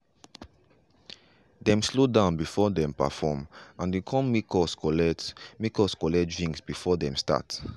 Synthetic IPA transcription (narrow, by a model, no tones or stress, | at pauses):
dɛ̃mslodãʊ̃nbifɔdɛ̃mpa̰fɔmãndekʰɔ̃mikɔsɔlɛtmikɔskɔlɛtvĩŋsbifɔdɛ̃msta̰t